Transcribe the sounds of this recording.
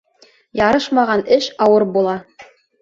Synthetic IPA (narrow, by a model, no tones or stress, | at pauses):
jɑɾɤʃmɑʁɑnɘʃɑwɤɾbulˠɑ